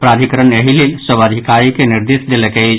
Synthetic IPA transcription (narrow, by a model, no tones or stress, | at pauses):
pɾad̪ʱikəɾənəɦilelsəbəd̪ʱikaɾikeniɾd̪esd̪eləkət͡ʃʰ